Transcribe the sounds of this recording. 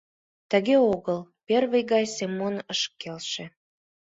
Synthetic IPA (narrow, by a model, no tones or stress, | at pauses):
t̪ə̆ɣeoɣəlpervəjɣɑjsemonəʃkːelʃĕ